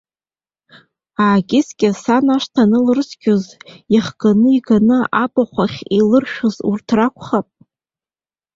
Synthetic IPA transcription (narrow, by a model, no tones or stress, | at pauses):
aːɡʲʼɪskʲʼɪsanaʂtʰanɨlrɨskʲoziχɡ̥anɨiɡanɨabaχʷaχʲilɨrʃᶣozurtʰrakʷʰχapʼ